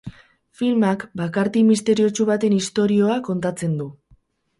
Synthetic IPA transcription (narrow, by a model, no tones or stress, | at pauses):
filmakbakaɾt̪imist̪e̞ɾio̞t͡ʃuβat̪e̞nist̪o̞ɾio̞ako̞nt̪at͡se̞nd̪u